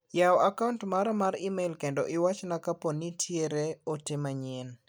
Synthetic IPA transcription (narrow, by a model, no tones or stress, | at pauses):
jaɔakaʊntmaɾɔmaɾimelkendɔʔɪwat͡ʃnakaponitʰjeɾeɔtɪmaɲɪn